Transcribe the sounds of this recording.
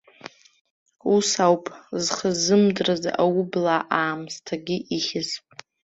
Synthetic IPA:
usawpʼzχəzɨmdraz̰ʔawʊblaʔaːmstʰaɡʲɪʔiχʲɪz

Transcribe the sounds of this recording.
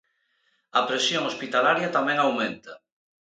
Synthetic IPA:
ɐpɾesjoŋospit̪alaɾjɐt̪amɛ̃ŋawmẽnt̪ɐ

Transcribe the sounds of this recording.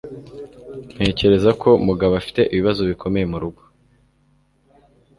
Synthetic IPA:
n̥e̞ːce̞ɾe̞zakʰo̞muɡaβafi̥te̞ʔiβiβazo̞βikʰo̞me̞je̞muɾuɡo̥

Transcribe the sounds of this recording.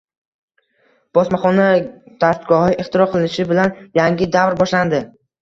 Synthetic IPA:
b̥ɒsmaχɒnad̪̥ast̪ɡɒhɪʔɪχt̪ʰɪɾɒqʰɨlɪnɪʃɪbɪlanjaŋɡʲɪd̪avɾbɒʃland̪ɪ

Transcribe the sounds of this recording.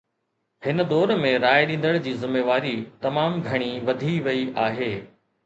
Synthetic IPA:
hɪnə̆d̪ɔːɾmẽɾaːeɗĩːn̆d̪əɽ̃d͡ʑiːzɪmːeːʋaːɾit̪ɐmaːmɡʱɐɽ̃iʋɐd̪ʱiʋɐiʔaːɦeː

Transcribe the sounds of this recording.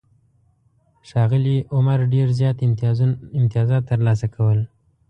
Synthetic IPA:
ʃɑɣɪliʔʊmaɾɖeɾzjɑt̪ | ɪmt̪ijɑzɑt̪ːəɾlɑs̬akʰawəl

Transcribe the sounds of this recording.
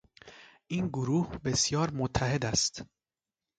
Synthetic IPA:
ʔiːnɡoɾuːhbe̞sjɒːɾmot̪ʰːæɦe̞d̪æst̪

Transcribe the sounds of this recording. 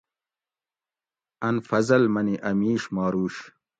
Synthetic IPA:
ɐnfɐzɐlmɐniʔɐmiːʂmɑːɾuːɕ

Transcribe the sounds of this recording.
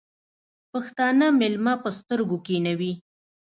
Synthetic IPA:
pəxt̪ɑnamɪlmapəst̪əɾɡokenawi

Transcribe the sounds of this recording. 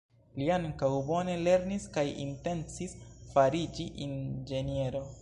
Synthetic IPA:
liaŋkawbo̞ne̞le̞ɾniskajḭnte̞nt͡sisfaɾid͡ʒiʔind͡ʒe̞nie̞ɾo̞

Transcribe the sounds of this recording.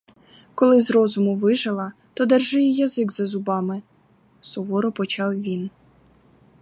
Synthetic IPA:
kɔlˠɪzɾɔzʊmʊʋɪʒɐlˠɐt̪ɔd̪ɛrʒɪjɛjɐzɪɡzɐzʊbɑmɪ | sɔʋɔɾɔpɔt͡ʃɑwʋʲin

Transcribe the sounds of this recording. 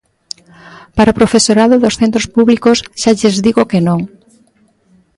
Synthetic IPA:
paɾaopɾofesoɾaðʊðosθent̪ɾospuβlikosʃaʎezðiɣokenõŋ

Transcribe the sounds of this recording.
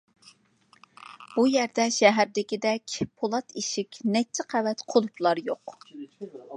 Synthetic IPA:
b̥ujɛɾd̪ɛʃɛɦæɾd̪ɪkʲid̪ɛkʲpʰolˠɑt̪iʃikʲnɛk̚t͡ʃʰːɪqʰævɛt̪qʰolˠuplˠɑɾjoq

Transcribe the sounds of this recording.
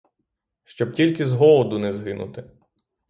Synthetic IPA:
ʃt͡ʃɔb̚tʲilʲkɪzɦɔlˠɔd̪ʊnɛzɦɪnʊ̰t̪ɪ

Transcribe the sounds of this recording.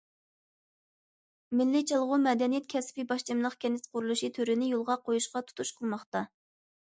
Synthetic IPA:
mɪlːit͡ʃʰɑlˠʁʊmɛd̪ɛnijɛt̪̚kʲʰɛspɪbɑʃt͡ʃimlˠəχkʲʰɛnɪsqʰʊɾulˠuʃit̪ʰøɾɪnɪjolˠʁɑqʰojuʃqɑt̪ʰu̥t̪ʰuʃqʰəlˠmɑχt̪ɑ

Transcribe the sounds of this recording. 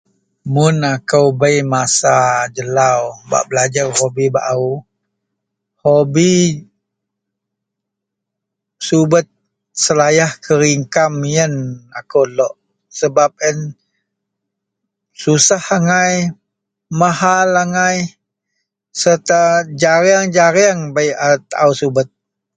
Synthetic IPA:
mʊnakəwbəjmasad͡ʒəlawba̰ʔbəlad͡ʒarhobiba̰ʔu | hobi | subət̪̚ | səlajahkʰəɾiŋkamijənakolɔʔ | səbap̚ən | susahaŋaj | mahalaŋaj | sərt̪ad͡ʒaɾaŋd͡ʒaɾiaŋbaiʔat̪aʔausubət̪̚

